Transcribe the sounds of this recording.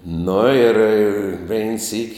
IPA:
nʊ ɪr ˈʋʲɛɪn sʲiːk

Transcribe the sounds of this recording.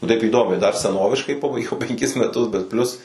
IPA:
nʊ tɐɪp iːˈdoːmʲɛɪ dɐr sʲɛˈnoːʋʲɪʃkɐɪ ˈpɑːbɐɪɡʲɛʊ pʲɛŋʲˈkʲɪs mʲɛˈtʊs bʲɛt ˈpʲlʲʊs

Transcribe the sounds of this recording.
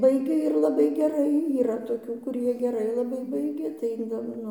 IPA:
ˈbɐɪɡʲɛ ɪr lˠɐˈbɐɪ ɡʲɛˈrɐɪ iːˈrɐ toːˈkʲuː kʊˈrʲiɛ ɡʲɛˈrɐɪ lˠɐˈbɐɪ ˈbɐɪɡʲɛ tɐɪ jɛʊ ˈnʊ

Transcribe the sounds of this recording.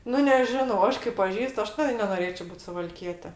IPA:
ˈnʊ nʲɛˈʒʲɪnɐʊ ˈɐʃ kɐɪ pɐˈʒʲiːst ˈɐʃ tɐɪ nʲɛnoːˈrʲeːt͡ʃʲoː ˈbuːt sʊʋɐlʲˈkʲiɛtʲɛ

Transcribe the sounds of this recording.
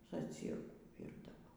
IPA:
zɐˈt͡sʲiːrkuː ˈʋʲiːrdɐʋoː

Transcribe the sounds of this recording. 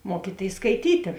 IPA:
ˈmuɔkʲiːtʲeːɪs skɐɪˈtʲiːtʲeː

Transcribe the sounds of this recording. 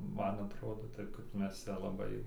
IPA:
ˈmɐn ɐtˈroːdoː ˈtɐɪp kɐɪp ˈmʲɛs ˈt͡sʲɛ lˠɐˈbɐɪ

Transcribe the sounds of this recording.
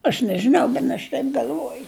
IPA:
ɐʃ nʲɛʒʲɪˈnɐʊ ˈbʲɛn ɐʃ ˈtɐɪp ɡɐlʲˈʋuɔjʊ

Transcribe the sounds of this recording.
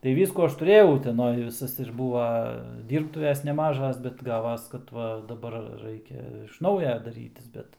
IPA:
tɐɪ ˈʋʲiːskuː ˈɐʃ tʊˈrʲeːjɛʊ ʊtʲɛˈnoːj ʋʲɪˈsɐs ɪr ˈbuːʋɐ ˈdʲiːrptʊʋʲɛs nʲɛˈmɑːʒɐs bʲɛt ˈɡɑːʋɐs kɐt ˈʋɐ dɐˈbɐr ˈrɐɪkʲɛ ɪʃ ˈnɐʊjɛ dɐˈrʲiːtʲɪs ˈbʲɛt

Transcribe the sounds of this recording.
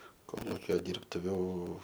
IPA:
ˈkoːlˠʊkʲoː ˈdʲiːrptʊʋʲʊ

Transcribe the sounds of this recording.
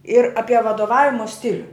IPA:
ɪr ˈɑːpʲiɛ ʋɐdoːˈʋɑːʋʲɪmoː ˈsʲtʲɪlʲʊ

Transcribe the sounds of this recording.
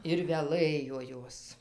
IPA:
ɪr ʋʲɛˈlˠɘjoː ˈjoːs

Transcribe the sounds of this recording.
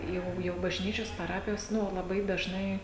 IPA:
ˈjɛʊ jɛʊ bɐʒʲˈnʲiːt͡ʃʲoːs pɐˈrɑːpʲɪjoːs ˈnʊ lˠɐˈbɐɪ dɐʒˈnɐɪ

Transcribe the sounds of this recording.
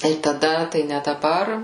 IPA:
tɐɪ tɐˈdɐ tɐɪ nʲɛ dɐˈbɐr

